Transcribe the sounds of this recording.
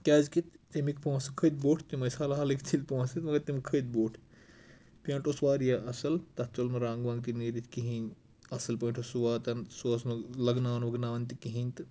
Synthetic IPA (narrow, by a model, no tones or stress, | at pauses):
kʲaːzkit̪t̪imikpõːsɐkʰəd̪̚boːʈʰt̪imɐsaːlaɦɐlikt̪ʰilʲpõːsɐt̪mɐɡɐɾt̪imkʰəd̪̚boːʈʰ | pʲãːɳʈʰosʋaːɾjaʔɐsɐlt̪ɐtt͡ʃolmɐɾãːŋɡʋãːŋɡt̪iniːɾit̪ʰʲkiɦinʲ | ɐsɐlpɐiʈʰosuʋaːt̪ɐnsoːsmɐlɐɡnaːʋnʋɐɡnaːʋɐnʲt̪ikiɦiːnʲt̪ɨ